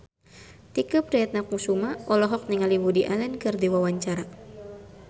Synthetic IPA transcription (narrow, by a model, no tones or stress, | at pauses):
t̪ikɨp̚ɾɛt̪̚nak̚musumaʔɔlɔɦɔk̚niŋaliwudiʔalɛnkɨrdiwawaɲt͡ʃaɾa